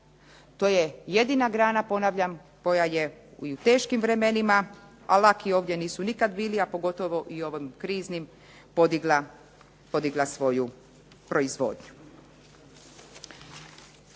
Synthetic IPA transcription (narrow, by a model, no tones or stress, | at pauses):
t̪oje̞je̞d̪inaɡɾaːnapo̞naʋʎam | ko̞jaje̞iut̪e̞ːʃkimʋɾe̞me̞nima | a̰lakio̞ːʋd̪je̞niːsunikad̪biːliapo̞ɡo̞t̪o̞ʋo̞ʔio̞ʋimkɾiːznim | pod̪iɡla | po̞d̪iɡlˠasʋo̞ju | pɾo̞izʋo̞̰ːd̪ɲu